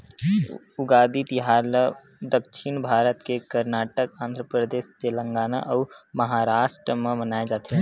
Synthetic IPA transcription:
ʊɡaːd̪it̪ɪɦaːɾlə | d̪əkʃʰinbʱaːɾət̪kekəɾnaːʈəkãːnd̪ʱɾəpɾəd̪eːʃt̪elə̃ŋɡaːna̰ʔɔːɾmɐɦaːɾaːʃʈɾəmẽmənaːed͡ʒaːt̪eɦɛ̃

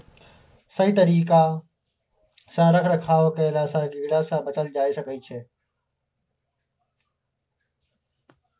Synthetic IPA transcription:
səiːt̪əɾiːkaː | sãːɾəkʰɾəkʰaːʋokeːlaːsãːɡiːɽaːsãːbət͡ʃəld͡ʒaːiːsəkiːt͡ʃʰeː

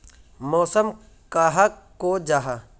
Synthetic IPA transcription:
mɔːsəm | kaːɦɐkːod͡ʒaːɦa

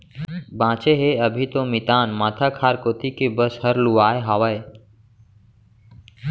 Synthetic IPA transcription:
bãːt͡ʃeɦeəbʱit̪omit̪aːnmaːt̪ʰakʰaːɾkoːt̪ikebəshəɾluaːeɦaːʋəe

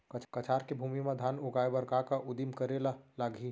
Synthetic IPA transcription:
kət͡ʃkɐt͡ʃʰaːɾkebʱuːmimad̪ʱaːnʊɡaːebəɾkakaʔʊd̪imkəɾelalaːɡʱi

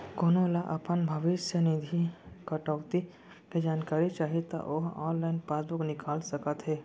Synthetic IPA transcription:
koːnolaʔɐpənbʱɐʋɪʃjənɪd̪ʱikɐʈɔːkt̪i | ked͡ʒaːnkaːɾit͡ʃaːɦit̪a̰ʔoːɦɔ̰ːnlaːɪnpaːsbʊknɪkaːlsɐkət̪ɦɛː

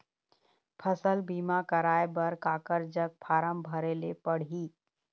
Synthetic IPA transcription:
pʰəsəlbiːmakəɾaːebəɾkaːkəɾd͡ʒəɡ̚pʰaːɾəmbʱəɾeːlepəɽ̤iː

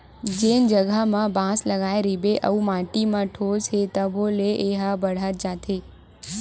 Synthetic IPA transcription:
d͡ʒend͡ʒəɡʱamãbãsləɡaeɾibeʔə̰ũmaʈimãʈʰozɦet̪əbʱoleʔeɦabəɽ̤at̪̚d͡ʒat̪ʰe

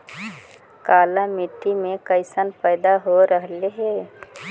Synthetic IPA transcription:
kaːlamiʈːimẽkəɪsənpəːd̪aɦoɾəɦleɦɛː

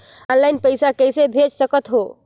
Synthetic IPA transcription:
ɔnlajnpəjsakəjsebʱet͡ʃsəkət̪ɦo

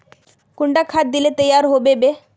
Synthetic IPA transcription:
kʊɳɖakʰat̪̚d̪ilet̪əjːaːɾɦoːbebe

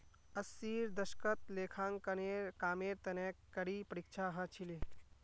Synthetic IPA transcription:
əsːiːɾd̪əʃkət̪̚leːkʰãːŋkəneɾkaːmeɾt̪ɐneːkːəɾipəɾikt͡ʃʰaɦə̃t͡ʃʰile

